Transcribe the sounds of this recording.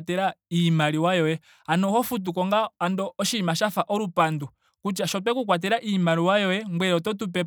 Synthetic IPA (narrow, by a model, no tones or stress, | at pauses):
tɛɾaimaɾiwajɔjɛ | anɔhɔfut̬ukɔŋɡaːndɔɔʃimaʃafaʔɔɾupandu | kut͡ʃaʃɔp̬ɛkukwat̬ɛɾaʔimaɾiwajɔjɛŋɡwɛɾɔtɔt̬up̬ɛ